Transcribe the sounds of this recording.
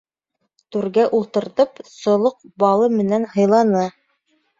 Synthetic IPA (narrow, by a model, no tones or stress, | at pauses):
t̪ʉɾɡæʔulˠt̪ɤ̆ɾt̪ɤpsŏlˠoq̚bɑlˠɤmɘ̆nænhɤ̆jlˠɑnɤ